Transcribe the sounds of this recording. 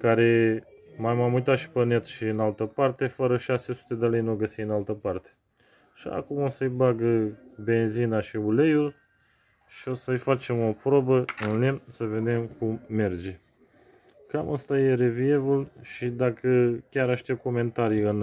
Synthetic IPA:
kaɾe̞ | majmamujt̪at̪ʃi̥pəne̞t̪ʃiɨnalt̪əpart̪e̞fəɾəʃase̞su̥t̪e̞d̪ele̞jnuɡəsijɨnalt̪əpart̪e̥ | ʃia̰kumo̞səjbaɡəbe̞nzinaʃiule̞jul | ʃio̞səjfat͡ʃe̞mo̞pɾobəɨnlemsəve̞d̪e̞mkumːe̞rd͡ʒe̞ | kaməst̪aje̞ɾe̞vie̞vulʃid̪akəkʲaɾaʃt̪e̞p̚ko̞me̞nt̪aɾijɨn

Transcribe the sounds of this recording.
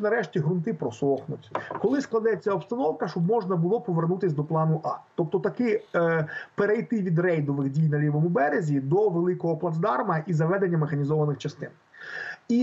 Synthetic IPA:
nɐɾɛʃtʲiɦɾʊnt̪ɪpɾɔsɔxnʊtʲkɔlˠɪsklˠɐd̪ɛt͡sʲːɐɔpst̪ɐnɔwkɐʃt͡ʃɔbmɔʒnɐbʊlˠɔpɔʋernut̪ɪsʲd̪ɔplˠɑnʊʔɑt̪ɔpt̪ɔt̪ɐkɪ | peɾejt̪ɪʋʲid̪rɛjd̪ɔʋɪɣdʲijnɐlʲiʋɔmʊbɛɾezʲid̪ɔʋelˠɪkɔɦɔplˠɐzd̪ɑrmɐʔizɐʋɛd̪e̞nʲːɐmexɐnʲizɔʋɐnɪxt͡ʃɐst̪ɪn | i

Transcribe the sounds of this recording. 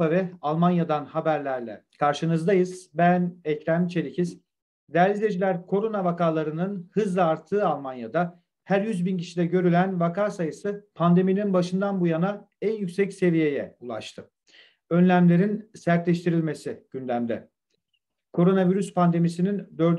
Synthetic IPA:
avɛalˠmanjad̪anhabæɾlʲæɾlʲɛ̰kʰaɾʃɯnɯzd̪ajɯz̥bænɛcɾænt͡ʃʰe̞ɾicʰiz | d̪ælʲizd̪ʲe̞d͡ʒilʲæɾkʰo̞ɾo̞navakaːlˠaɾɯnɯnhɯzlˠaːɾt̪ʰːɯːalˠmanjad̪a | hæɾjyzbincʰiʃid̪ɛɟø̞ɾylʲænvakʰaːsajɯsɯpʰand̪e̞mininbaʃɯnd̪anbujana | ænjycʲsɛcse̞vije̞jɛulˠa̰ʃt̪ʰɯ | ø̞nlʲæmlʲe̞ɾinsæɾt̪lʲɛʃt̪ʰiɾilʲme̞siɟ̥ynd̪æmd̪ɛ | kʰo̞ɾo̞naviɾyspʰand̪e̞misinind̪ø̞ɾd̪

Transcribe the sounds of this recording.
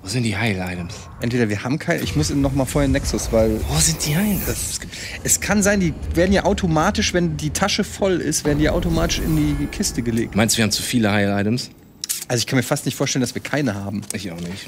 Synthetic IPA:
voːzɪnt̚d̥iːhaɪlʔaɪtəms | ʔɛntv̥eːdɐviːɐhaːbm̩kʰaɪnə̰ʔɪ̰çmʊsinɔχmaːlfoːɐheɐnɛksʊsv̥aɪlvoːzɪnt̚d̥iːhaɪnd̥assɡ̥i | ʔɛskʰanzaɪndiːveːɐdn̩jaːʔaʊtʰomaːtɪʃvɛndiːtʰaʃəfɔlɪ̰stv̥eːɐdn̩dijaʔaʊtomaːtɪʃɪ̰ndiːkʰɪstəɡəlḛːk̚tːumaɪnstviːɐhamt͡sufiːləhaɪlaɪɾəms | ʔalzoɪçkʰanmiːɐfastnɪçtfoːɐʃtɛləndasv̥iːɐkʰaɪnəhaːbm̩ʔɪçaʊxnɪç

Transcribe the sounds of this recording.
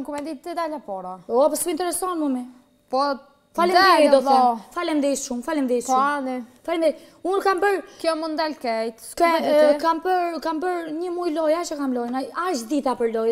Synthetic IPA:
kumɛnd̪it̪əd̪alapɔɾaɔpasint̪ɛɾɛsɔnmɔmɛ | pɔ | falɛd̪ɛɾid̪ɔɔfalɛmd̪ɛʃumfalind̪ɛjuanɛfalind̪ɛ | unkambəɾkjɔmund̪ɛlkɛjt̪skɛkambəɾkambəɾɲəmujlɔjat͡ʃəkamlɔjnaaʃd̪it̪apəɾlɔj

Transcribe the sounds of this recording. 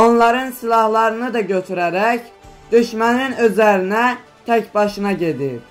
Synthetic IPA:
onlˠɑɾɯnsilˠɑhlˠɑɾɯnɨd̪ɑɡʲøt̪ʰyɾæɾɛkʲd̪̥yʃmɛnɪnøzlæɾinɛ | t̪ʰɛkʲbɑʃɯnɑɟʲed̪ɪ

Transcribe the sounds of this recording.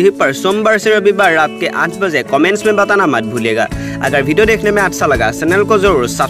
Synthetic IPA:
iɦipaɹsɔmbaɹsɛɹɔbibaɹːat̚kɛʔã̰tʰbazɛkɔmɛntsmɛnbatanamat̚bʱuliɛɡa̰ | a̰ɡaɹbʱidiɔdekʰnɛmɛatʰsalaɡa̰sɛnɛlkɔzɔɹɹsa

